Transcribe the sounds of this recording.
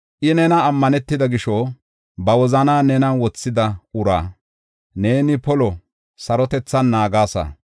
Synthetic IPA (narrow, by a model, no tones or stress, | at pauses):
ʔɪnɛnɐːmːɐnɛt̪ːɪd̪ɐɡɪʃɔ | bɐwɔzɐnaːnɛnɐwɔt͡sːɪd̪ɐʊɾa̰ː | ne̞ːnɪpɔlɔ | sɐɾɔt̪ɛt͡sːɐnːaːɡaːsɐ̰